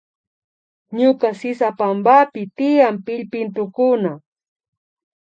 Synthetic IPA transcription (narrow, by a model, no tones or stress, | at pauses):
ɲʊkasɪsapambapɪt̪ɪjampɪʎpɪnt̪ʊkʊna